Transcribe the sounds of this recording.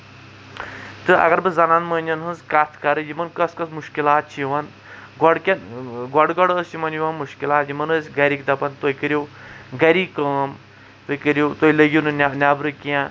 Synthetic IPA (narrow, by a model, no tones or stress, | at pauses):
t̪ɨʔɐ̰ɡɐɾbɨzɐnanmɐːnʲd͡ʒɐnɦɨnzkat̪ʰkɐɾɨjimɐnkɐskɐsmuʃkilaːt̪̚t͡ʃʰiʋɐn | ɡɔɽkʲɐnɡɔɽɡɔɽəːsjimɐnjuʋɐnmuʃkilaːt̪jimɐnɨsʲɡɐɾikd̪ɐpɐnt̪oikəɾjuwɡɐɾikaːm | t̪oikəɾjot̪oiləɡʲunɨnʲanʲaːbɾɨkijãː